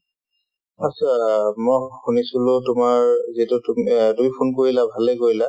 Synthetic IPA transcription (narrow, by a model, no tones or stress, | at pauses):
asamɔjxunisulʊtʊmaɹzitʊtumtumipʰunkoɹilabʱalɛkoɹila